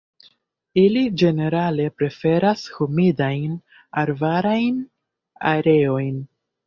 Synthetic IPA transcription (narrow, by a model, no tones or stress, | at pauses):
ilid͡ʒe̞ne̞ɾale̞pɾe̞fe̞ɾashumidajn | aɾvaɾajn | a̰ɾe̞o̞jn